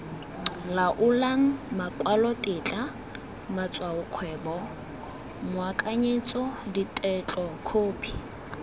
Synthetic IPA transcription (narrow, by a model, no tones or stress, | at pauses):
laʔʊlaŋ̩makʼwalɔtʼɪt͡ɬʼa | mat͡sʼwaʊkʰwɛːbɔ | mʊakʼaɲet͡sʼɔditʼɛt͡ɬʼɔkʰoːpʰi̥